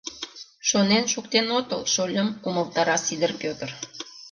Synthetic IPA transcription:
ʃonenʃukt̪enot̪əlʃolʲəmuməlˠt̪ɑɾɑsid̪ərpʲøt̪ər

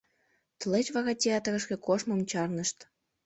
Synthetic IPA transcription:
t̪əlet͡ɕβɑɣɑt̪ʲeɑt̪əɣə̆ʃkĕkoʃmɤmt͡ɕɑrnəʃt̪

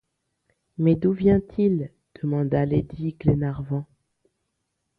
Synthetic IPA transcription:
mɛd̪uvjɛ̃t̪ʰil | d̪̥əmɑ̃d̪aled̪iɡlenaʁvɑ̃

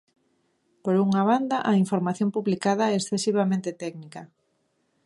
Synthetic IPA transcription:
poɾuŋaβ̞and̪aʔaiɱfoɾmaθjompuβlikað̞ɐɛesθesiβ̞amẽnt̪et̪ɛɡnikɐ

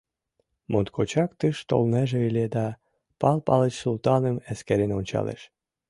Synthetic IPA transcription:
mʔont̪̚kʰot͡ɕɑkt̪ɨʃt̪o̰lneʒeilʲed̪ɑ | pɑlpɑlət͡ɕsulˠt̪ɑnəmeskeɾenonʲt͡ɕɑ̰lḛʃ

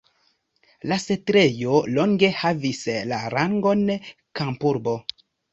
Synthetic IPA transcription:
lase̞tɾe̞jo̞lo̞ŋɡe̞havislaɾaŋɡo̞n | kampuɾbo̞

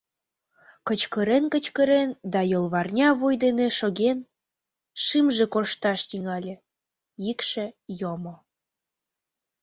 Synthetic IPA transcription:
kət͡ɕkəɾenkət͡ɕkəɾend̪ɑjolˠβɑrnʲɑβojd̪eneʃoɣen | ʃimʒĕkoʃt̪ɑʃt̪iŋɑlʲĕ | jikʃĕjomo

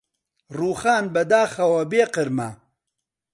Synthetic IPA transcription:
ɾuːxaːnbɐd̪aːxɐwɐbeːqɪɾma

